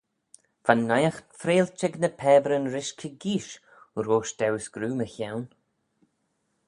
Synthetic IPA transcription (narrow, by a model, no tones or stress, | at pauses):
fanːajəxfɾeːlt͡ʃɛɡnəpʰɛːbɾənɾɪʃkʲʰəɡiːʃ | uɾoːʃd̪̥ɛwsɡ̥ɾuːməçawn